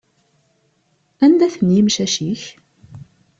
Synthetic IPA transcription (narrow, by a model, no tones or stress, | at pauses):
ænd̪æθənjimʃæʃiç